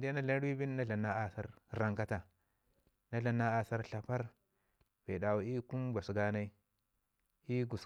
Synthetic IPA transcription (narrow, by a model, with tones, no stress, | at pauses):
dna˦ɬa˦n˦ɾi˦bi˦nː˦a˦ɮa˨na˦a˨sa˦ɾɾa˨ŋka˦ta˨ | na˦ɮa˨na˦a˨sa˦ɾɬa˨pa˦ɾ | v̥e˨da˨wu˨i˦ku˦mba˨sɡa˦na˦i˦ | i˦ɡu˨s